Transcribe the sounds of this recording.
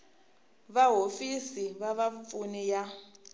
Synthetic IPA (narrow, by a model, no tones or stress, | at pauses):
βaɦofisiβaβafunija